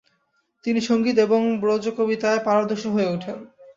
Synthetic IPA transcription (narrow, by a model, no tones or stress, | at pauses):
t̪iniʃoŋɡit̪̬eboŋbɾod͡ʑokobit̪aepaɾad̪oʃoɦoeuʈʰen